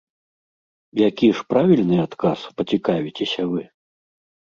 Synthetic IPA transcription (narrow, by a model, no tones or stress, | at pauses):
jakʲiʂpɾavʲilʲnɨat̪kaspɐt͡sʲikavʲit͡sʲesʲɐvɨ